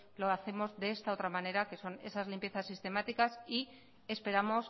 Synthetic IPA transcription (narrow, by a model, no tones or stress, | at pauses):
loaθe̞mo̞zðe̞est̪ao̞t̪ɾamãne̞ɾake̞so̞ne̞sazlimpje̞θasːist̪e̞mat̪ikasi | e̞spe̞ɾamo̞s